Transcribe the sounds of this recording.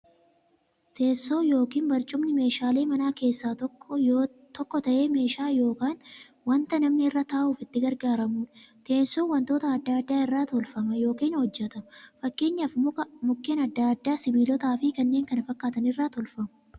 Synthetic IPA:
t̪ʰe̞ːsːo̞ːjo̞ːkiːnbɐɾt͡ʃʼʊmnɪme̞ːʃaːle̞ːmɐnaːke̞ːsːaːt̪ɔkː | t̪ɔkːɔt̪ɐʔe̞ːme̞ːʃaːjo̞ːkaːn | wɐnt̪ɐnɐmnɪɪrːat̪aːʔuːfɪt̪ːɪɡɐɾɡaːɾɐmuːnt̪ʰe̞ːnsoːwɐnt̪o̞ːt̪ɐːd̪ːaːɐd̪ːaːɪrːaːt̪ɔlfɐmɐjo̞ːkiːnhɔd͡ʒːɛt̪ɐmɐfɐkːe̞ːɲːaːfmʊmʊkːeːnɐd̪ːaːɐd̪ːaːsɪbiːlɔt̪aːfɪkɐnːe̞ːŋkɐnɐfɐkʼːaːt̪ɐnɪrːaːt̪ɔlfɐmɐ̥

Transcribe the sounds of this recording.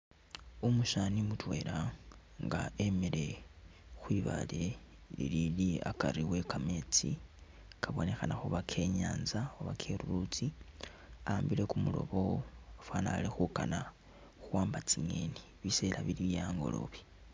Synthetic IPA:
umuʃanimutwe̞ɾa | ŋɡaemele̞ | xwiβa̰lelḭliliakaɾiwe̞kame̞t͡sḭ | kʰaβo̞ne̞xanaxuβakʰe̞ɲaːnzaoβakʰe̞ɾuɾut͡si | ambile̞kumulo̞̰βo̞afwaːnalixukana | xuwaːmbat͡siŋe̞̰ni | βiselaβiliβjaːŋɡo̞̰lo̞̰βi̥

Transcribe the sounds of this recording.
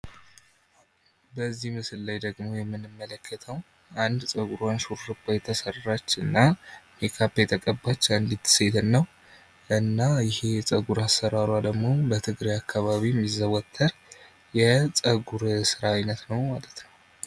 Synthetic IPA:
bəzːihmɨsɨllajd̪əɡmo̞jɛmːɨnɨmːələkʰːət̪ʰəw | and̪sʼəɡuɾanʃuɾɾɨbajɛt̪ʰːəsərːat͡ʃːɨnːamekʰapːjɛt̪ʰəkʼəbːat͡ʃːnd̪it̪ːɨ̥se̞t̪ʰɨnːəw | ʔɨnːajɪhet͡sʼəɡuɾasːəɾaɾwad̪əɡmo̞bət̪ʰɨɡɾijakʰːaβaβiɛmːizːəβɔt̪ʰːəɾ | jɛt͡sʼəɡuɾsɨɾaajnət̪nəwmalət̪nəw

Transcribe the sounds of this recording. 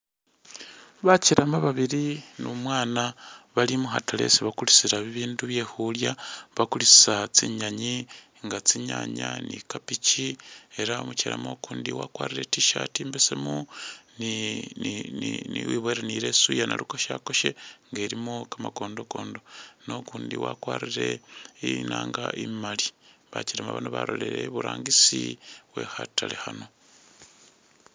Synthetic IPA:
βaciɾamaβaβiɾinumwaːnaβalimuɦatale̞̰siβakulit͡siɾaβiβiːnduβje̞ːhuljaβakulit͡si̥sat͡siɲaɲi | ŋɡat͡siɲa̰ɲa̰nḭkapicie̞ɾao̰muciɾa̰mokuːndḭwa̰kwa̰ːɾiɾe̞tiʃa̰timbesemuni | niniwiβoɾeniɾe̞sujanalukoʃako̞ʃeŋɡe̞ːɾimokamaɡo̞ːndo̞ko̞ːndo̞no̞kuːndiwakwaːɾiɾe̞inaːŋɡaʔimaliβaciɾamaβa̰noβaɾoleɾeβuɾaːŋɡisiwe̞̰ːhatalehano̞

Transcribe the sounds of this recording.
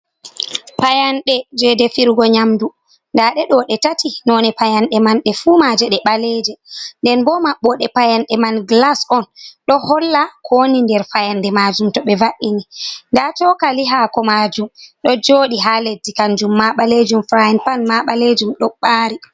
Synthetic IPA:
pajanɗɛd͡ʒɛdɛfiɾɡɔɲamdu | ndaɗɛɗɔɗɛtatinɔnɛpajanɗɛmanɗɛfumad͡ʒɛɗɛɓalɛd͡ʒɛndɛnbɔmaɓːɔɗɛpajanɗɛmanɡlasɔnɗɔhɔlːakʰonindɛɾfajandɛmad͡ʒumtɔɓɛvaɗinindatɔkaliɦakɔmad͡ʒumɗɔd͡ʒoːɗiɦaledikand͡ʒumːaɓaled͡ʒumfɾajnpanmaɓaled͡ʒumɗɔɓaːɾi

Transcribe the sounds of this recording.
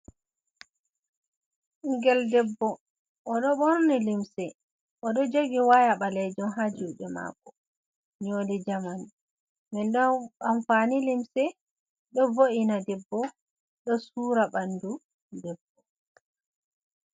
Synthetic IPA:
ŋɡɛldɛbːɔ | ʔɔɗɔɓɔɾnilimsɛ | ʔɔɗɔd͡ʒoɡiwajaɓalɛd͡ʒɔnɦad͡ʒuɓɛma̰kːɔ | ɲodɛd͡ʒamani | mɛndɔaɱfanilimsɛ | ɗɔvoʔinadɛbːɔ | ɗɔsuːɾabandu | dɛbːɔ

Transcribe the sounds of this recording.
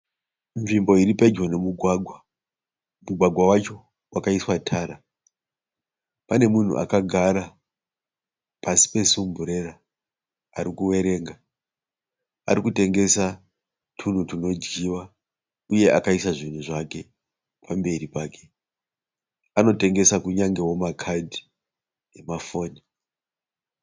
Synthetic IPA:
ɱʐimbo̞iɾipad͡ʒonemu | muɡʱwaɡʱwawat͡ʃo̞ | wakaiswatʰaːɾa | pane̞mun̤ṵʔa̰kaɡʱaɾa | pasi̥pe̞sumbuɾe̞ɾaː | ɾikuwe̞ɾe̞ːŋɡa | a̰ɾikute̞ŋɡe̞sa | tʰun̤utuno̞d͡ʒɡiwa | uje̞ʔakaisaʐin̤uʐake̞ | pʰambe̞ripaːke̞ | ano̞te̞ŋɡe̞sakuɲaŋɡe̞wo̞makʰadʱi | e̞mafo̞ːni

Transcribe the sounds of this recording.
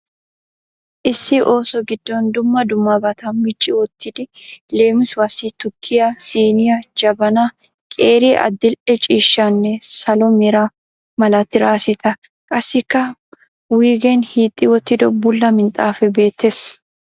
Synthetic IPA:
ʔɪsːɪʔoːsɔɡɪd̪ːond̪ʊmːɐd̪ʊmːɐbɐt̪ʰɐmɪt͡ʃʼːɪwɔt̪ːɪd̪ɪleːmɪswɐsit̪ʊkʰːɪjɐsiːnɪjɐd͡ʒɐbɐna | kʼeːɾiːʔɐ̰d̪ːɪlʔɛt͡ʃʼiːʃːanːɛsɐlɔmɛɾa | mɐlɐt̪ːɪɾaːsɪt̪ɐ | kʼɐsːɪkːɐ | wiːɡenhiːt̪ʼːɪwɔt̪ːɪd̪ɔbʊlːɐmɪnt̪ʼaːfɛbe̞ːt̪ːes

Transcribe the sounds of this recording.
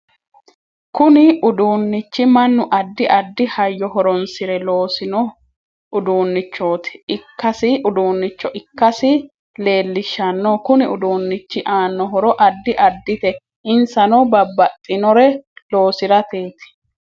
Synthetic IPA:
kʊnɪʊd̪uːnːɪt͡ʃːɪmɐnːʊʔɐd̪ːɪʔɐd̪ːɪhɐjːɔɦɔɾɔnsɪɾɛloːsɪnɔ | ʊd̪uːnːɪt͡ʃːoːt̪ɪ̥ɪkːɐsɪʊd̪uːnːɪt͡ʃːɔʔɪkːɐsɪ | le̞ːlːɪʃːɐnːokʊnɪʊd̪uːnːɪt͡ʃːɪʔaːnːɔɦɔɾɔʔɐd̪ːɪʔɐd̪ːɪt̪ɛ | ɪnsɐnɔbɐbːɐt̪ʼːɪnɔɾɛlo̞ːsɪɾɐt̪eːt̪ɪ̥

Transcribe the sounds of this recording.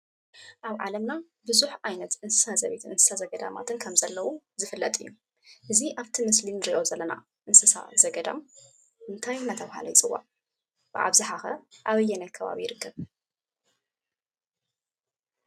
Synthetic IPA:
ʔaβʕa̰lɐmna | bɨzuħʔajnɐt̪ʔɨnsɨ̥sazɐβet̪ʰɨnsɨ̥sazɐɡɐd̪a̰ma̰t̪ʰɨnkʰɐmzɐlːɐwu | zɨfɨlːɐt̪ʼɨjːu | ʔɨziʔaβt̪ʰimɨslinɨɾiʔo̞zɐlːɐna̰ | ʔɨnsɨsa̰zɐɡɐd̪a̰m | ɨnt̪ʰajnat̪ʰɐβha̰lɐ̰jɪt͡sʼɨwːa̰ | b̥ɨʔa̰βzɨħaxɐ̰ʔaβɨjːɛnɐtkʰɐβa̰βijɪɾɨkʰːɐβ

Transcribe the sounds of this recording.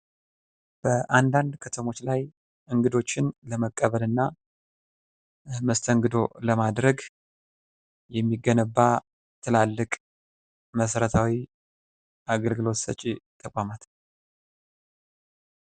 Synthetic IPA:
b̥əʔand̪and̪kʰət̪ʰəmo̞t͡ʃːlaj | ʔɨŋɡɨd̪o̞t͡ʃːɪnləməkʼːəβəlɨnːa | məst̪ʰəŋɡɨd̪o̞ləmad̪ɾəɡ | jɛmːiɡənəbːa | t̪ʰɨlalːɨkʼ | məsəɾət̪ʰawi | ʔaɡəlɡɨlo̞t̪sə̰t͡ʃʼit̪ʰʼəkʷʼamat̪

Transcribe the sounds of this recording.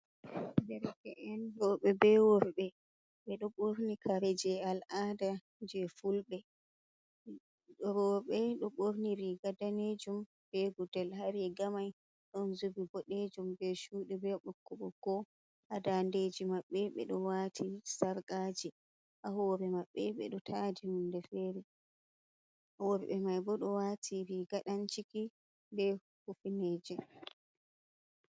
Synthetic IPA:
dɛɾkɛʔɛndɔɓɛbɛwɔɾbɛ | ɓɛɗɔɓoɾnikʰaɾɛd͡ʒɛalʔada | d͡ʒɛfulɓɛ | ɗɔɾɔɓɛɗɔɓoɾniɾiɡadaned͡ʒum | bɛɡudɛlhaɾɛɡamaj | ɗɔnzubibɔɗed͡ʒumbɛʃuːɗibɛɓɔkːɔɓɔɡ̥ɔ | ʔadanded͡ʒimaɓːɛɓɛ̰ɗɔwaːtʰisaɾkʼad͡ʒi | ʔaɦɔːɾɛmaɓːɛɓɛ̰ɗɔtʰaːd͡ʒihundɛfɛːɾɛ | ʔawɔɾɛɓɛmajbɔɗɔwatʰiɾiɡaɗant͡ʃiki | bɛ | hufineːd͡ʒɛ

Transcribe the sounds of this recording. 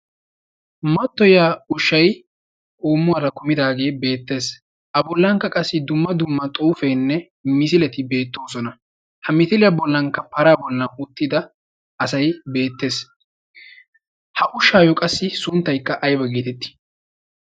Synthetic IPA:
mɐt̪ːɔjaːʊʃːɐj | ʔuːmːʊwɐɾɐkʊmɪd̪aːɡe̞ːbe̞ːt̪ːe̞ːs | ʔɐbɔlːɐŋkːɐkʼɐsːɪd̪ʊmːɐd̪ʊmːɐt̪ʼuːfɛjnːɛ | mɪs̬ɪlɛt̪ɪbe̞ːt̪ːo̞ːsɔnɐ | hɐmɪt̪ɪlɪjabɔlːɐŋkːɐpɐɾaːbɔlːɐʔʊt̪ːɪd̪ɐː | sɐjbe̞ːt̪ːe̞ːs | hɐʔʊʃːaːjɔkʼɐsːɪsʊnt̪ːɐjkːɐʔɐjbɐɡeːt̪ɛt̪ːɪ̥

